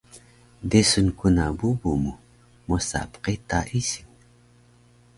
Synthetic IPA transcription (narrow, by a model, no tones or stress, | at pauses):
desunkunabubumu | mosa̰pqit̪aʔisiŋ